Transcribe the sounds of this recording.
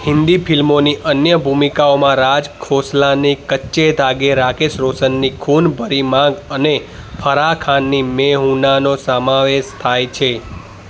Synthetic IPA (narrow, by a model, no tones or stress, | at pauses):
hɪ̃nd̪ipʰilmoniʔənjəbʱumikaomãɾad͡ʒkʰoslanikətːʃed̪aɡeɾakesɾosənːikʰunbʱəɾimãɡəne | pʰəɾakʰanːimeɦũnanosəmãʋeʃt̪ʰajt͡ʃʰe